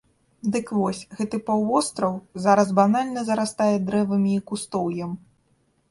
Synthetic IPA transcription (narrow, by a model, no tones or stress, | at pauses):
d̪ɨkvɔsʲɣɛt̪ɨpawvɔst̪ɾɐwzaɾɐzbanalʲnɐzɐɾast̪ajɛd̪ɾɛvɐmʲiːkust̪ɔwjɐm